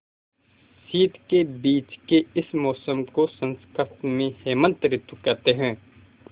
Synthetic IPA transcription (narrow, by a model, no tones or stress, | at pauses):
siːt̪kebiːt͡ʃkeɪsmɔːsəmkosə̃nskəɾt̪mẽheːmə̃nt̪ɾɪt̪ukɐɾt̪eɦɛ̃ː